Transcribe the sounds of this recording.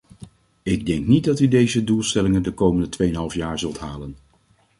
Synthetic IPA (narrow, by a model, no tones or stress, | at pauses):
ɪɡ̚dɛŋknit̚dɑtydejzədulˠstɛlɪŋəndəkowməndətʋejənɦɑlˠfjaːɹzɵlˠtɦaːlən